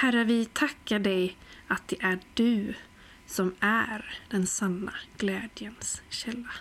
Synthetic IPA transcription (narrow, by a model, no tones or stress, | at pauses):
hæɾəvɪt̪ʰakːaɖɛjat̪̚d̪ɛʔæɖɵ̟ | sɔmæɾd̪̥ɛnsanːaɡ̥lɛːd̪jənsɕɛlːa